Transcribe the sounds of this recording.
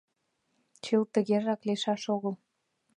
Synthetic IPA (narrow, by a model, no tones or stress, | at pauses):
t͡ɕəlt̪ə̆ɣeʒɑkleʃɑʃoɣəl